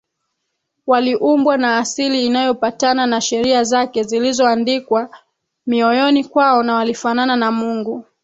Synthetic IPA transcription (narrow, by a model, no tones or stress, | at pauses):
waliʔumbwanaːsiliːnajɔpatananaʃɛɾiazakɛzilizɔandikwa | miɔjɔnikwaɔnawalifanananamuŋɡu